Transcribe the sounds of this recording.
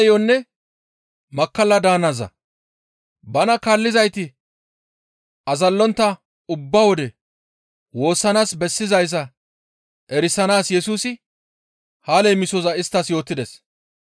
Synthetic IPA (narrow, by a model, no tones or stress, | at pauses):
jɔnːɛ | mɐkːɐlːɐd̪aːnɐzɐ̰ | bɐnɐkalːɪzɐjt̪ɪ | ʔɐzɐlːɔnt̪ːɐ | ʊbːɐwɔd̪ɛ | wo̞ːsːɐnaːsbɛsːɪzɐjs̬ɐ | ʔɛɾɪsɐnaːsjɛsuːsɪ | haːlɛjmɪsɔzɐɪst̪ːɐsjo̞ːt̪ːɪd̪es